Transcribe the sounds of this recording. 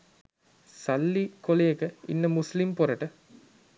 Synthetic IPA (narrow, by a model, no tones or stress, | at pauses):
sɐlːikolejekəḭnːəmuslimpoɾɐʈə